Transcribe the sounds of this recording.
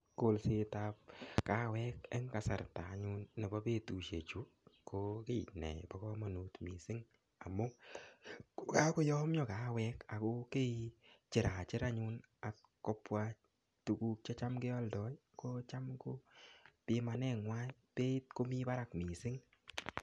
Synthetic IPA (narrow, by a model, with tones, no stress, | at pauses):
ko˨lse˧ta˧p̚ka˦wɛ˦kɛ˦ŋka˨sa̰˨ɾtaː˨ɲʊ˦nːe˨bɔ˦pe˦tu˨ʃḛ˨t͡ʃu˦ | ko˦ke˦nɛ̰˨bɔ˦kɔ˦mɔ˨nu˨tmi˨sɪ˦ŋ | a˨mʊ˦ | ka˦ko˦jɔ˦mjɔ˨ka˦wɛ˦ka˨ko˦ke˦it͡ʃɪ˨ɾa˨t͡ʃɪ˦ɾa˦ɲu˦n | a˨t | kːɔ˦pːwa˧ | tu˨ku˨˧k̚t͡ʃɔ˦t͡ʃa˦mke˦ɔ˦ldɔ˨˦j | ko˦t͡ʃa˦mko˦pɪ˨ma˨nɛ˦˨ŋwa˦jpe˦i˦t̚ko˦mi˦ba˦ɾa˨kmi˨sɪ˦ŋ